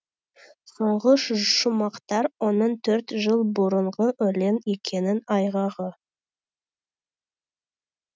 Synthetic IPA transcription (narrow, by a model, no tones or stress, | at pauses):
soɴʁəʃʒʃʊmɑqt̪ɑɾwonəɴt̪ʰɵɾt̪ʒəlˠbʊɾəɴʁəʔɵle̞ne̞kʲʰe̞nɪnɑjʁɑʁə